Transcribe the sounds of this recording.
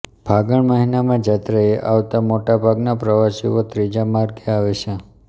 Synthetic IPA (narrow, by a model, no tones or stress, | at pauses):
b̥ʱaɡəɳməɦinamãd͡ʒat̪ɾəeʔaʋt̪amoʈabʱaɡnapɾəʋasiot̪ɾid͡ʒamaɾɡeaʋet͡ʃʰe